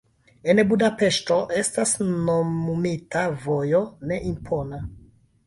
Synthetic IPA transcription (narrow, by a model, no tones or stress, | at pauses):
e̞nbudape̞ʃto̞ʔe̞stasnoumitavo̞jo̞ne̞ʔimpʰo̞na